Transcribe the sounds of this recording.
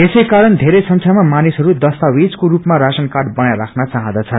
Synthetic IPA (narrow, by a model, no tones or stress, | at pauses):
esʌjkaɾʌnd̪ʱeɾejsʌŋkʰjamamanisɦʌɾud̪ʌst̪awid͡zkoɾupmaɾasʌnkaɖbʌnajlakʰnat͡saɦʌ̃d̪ʌt͡sʰʌn